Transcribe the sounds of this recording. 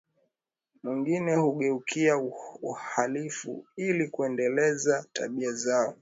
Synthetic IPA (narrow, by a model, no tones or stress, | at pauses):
mwiŋɡinɛhuɠɛukʰiauhalifṵilikuɛndɛlɛzata̰ɓiazaɔ